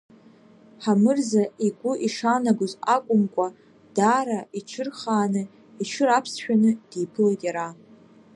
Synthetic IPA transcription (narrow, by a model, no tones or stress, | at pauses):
ħamɨrzaiɡʷʊʔiʂanaɡʷozakʷʼʊmkʷʼa | d̥aɾaiʈ͡ʂʰɨrχaːnɨ | iʈ͡ʂʰɨɾapʰsʃᶣanɨd̥iːpʰɨlejtʼjaɾa